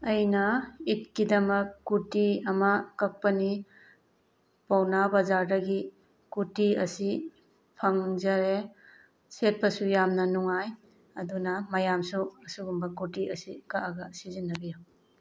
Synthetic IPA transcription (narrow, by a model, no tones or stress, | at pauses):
ɐjnɐit̚kidɐmɐkːutiɐmɐkɐk̚pɐni | pawnabɐzaɾdɐɡi | kutiɐsi | pʰɐŋzɐɾe | set̚pɐsujamnɐnuŋaj | ɐdunɐmɐjamsuɐsuɡumbɐkutiʔɐsikaʔaɡɐsizinːɐbija